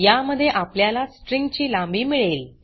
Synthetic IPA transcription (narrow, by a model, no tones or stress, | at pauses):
jaməd̪ʱːjeʔapljalasʈɾiŋɡt͡ɕiːlambiːmiɭeːl